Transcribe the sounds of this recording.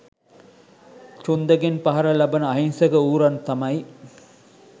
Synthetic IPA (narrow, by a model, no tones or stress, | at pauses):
t͡ʃund̪ɐɡenpɐɦɐɾɐlɐbɐnəɐɦinsɐɡɐuːɾɐnt̪ɐmɐj